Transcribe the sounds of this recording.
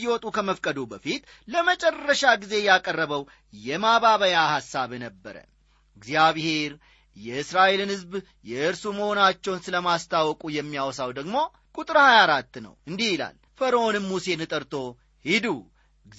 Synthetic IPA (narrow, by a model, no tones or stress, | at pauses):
iwɔt̪ʼukʰəməfkʼəd̪ubəfit̪ | ləmət͡ʃʼɛrːəʃaɡize̞jakʼərːəβəw | jɛmaβaβəjahasːaβnəbːəɾə̰ | ɨɡzjaβhe̞ɾ | jɛʔɨsɾaʔelɨnhɨzb | jɛʔɨɾsuməho̞nat͡ʃːɛwnsɨləmast̪ʰawɔkʼujɛmːijawɔsawd̪əɡmo̞ | kʼut̪ʼɨɾhajaɾat̪ːnə̰wɨnd̪ihjɪla̰l | fəɾəonɨmːuse̞nɨt̪ʼəɾt̪ʰo̞ | hid̪u | ɡ